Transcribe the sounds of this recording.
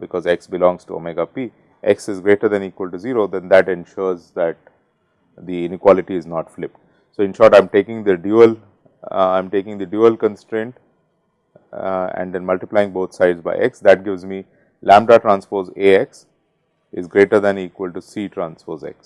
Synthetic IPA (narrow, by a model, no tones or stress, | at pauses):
bɪkɔːzeksbɪlɔ̃ŋsʈuo̰meɡapiː | ʔeksɪzɡɾeːʈəɾd̪ɛ̃niːkwəlʈuziːɾoːd̪ɛ̃nd̪æʈẽnʃɔːɾzd̪æʈ̚ | d̪iɪ̃nɪkwɔlɪʈiɪznɔːʈflɪp | soːɪ̃nʃɔːɾʈãɪ̃mʈeːkɪ̃ŋd̪əɖjuəl | ãɪ̃mʈeːkɪ̃ŋd̪əɖjuəlkə̃nsʈɾẽɳʈ | ɛ̰̃ɳɖd̪ɛ̃nmʌlʈɪplaɪɪ̃ŋboːt̪ʰsaɪɖzba̰ɪʔeksd̪æʈ̚ɡɪʋzmi | læ̃mɖɾaʈɾãːnspoːzeːeks | ɪzɡɾeːʈəɾd̪ɛ̃niːkwəlʈusiːʈɾãːnspoːzḛks